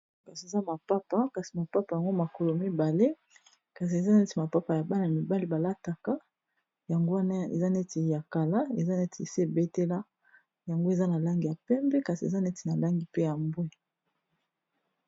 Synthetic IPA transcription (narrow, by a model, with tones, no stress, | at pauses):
ka˨si˨e˨za˦ma˨pa˦pa˦ka˨si˨ma˨pa˦pa˨ja˨ŋɡo˦ma˨ko˨lo˨mi˦ba˨le˦ | ka˨s̬i˨e˨za˦n˦e˦ti˨ma˨pa˦pa˨ja˨ba˦na˨mi˨ba˦li˦ba˨la˦ta˨ka˦ | ja˨ŋɡo˦wa˦na˦ḛ˨za˦ne˦ti˨ja˨ka˨la˦e˨za˦ne˦ti˨e˨si˦e˨be˦te˦la˦ | ja˨ŋɡo˦e˨za˦na˨la˦ŋɡi˨ja˨pɛ˦mbɛ˦ka˨si˨e˨za˦ne˦tʰi˨na˨la˦ŋɡi˦pe˦ja˨mbwe˦˨